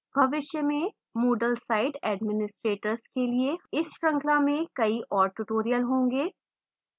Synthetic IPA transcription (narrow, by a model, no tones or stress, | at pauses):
b̥ʱɐʋɪʃjəmẽ | moːɖəlsaːɪɖɛːɖmɪnɪsʈɾeːʈəɾskelieɪsʃɾɐ̃ŋklamẽkɐiʔɔːɾʈʊʈoːɾijəlɦõːŋɡeː